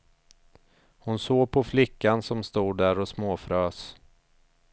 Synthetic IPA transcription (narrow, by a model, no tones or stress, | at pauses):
hʊnsoːɡ̚pʰɔflɪkːansɔmst̪uːɖæɾɔsmoːfɾøːs